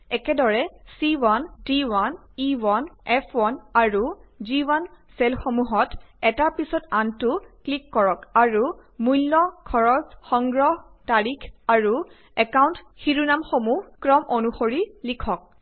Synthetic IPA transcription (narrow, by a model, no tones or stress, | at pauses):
ɛkɛdɔɹɛsiwandiwan | iwanɛpʰwanaɹuziwansɛlxomuɦɔtɛtaɹpisɔtantʊklikːɔɹɔkaɹumujlːɔkʰɔɹɔsxɔŋɡɹɔɦtaɹikʰaɹu | ɛkawnt | xiɹunamxomuhkɹɔmʔonuxoɹilikʰɔk̚